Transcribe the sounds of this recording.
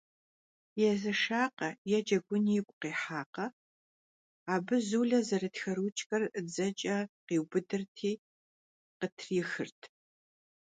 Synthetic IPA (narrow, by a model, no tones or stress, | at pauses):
jɛzɐʂaːqɐjɛd͡ʒɐɡʷʊnijɪkʷʼqeːħaːqɐ | aːbɨzuːɮɐzɐɾɨtxɐɾut͡ʃʼxʼɐrʔɨd͡zɐt͡ʃʼɐqiːwbɨdɨrtʰiː | qətʰrixɨrtʰ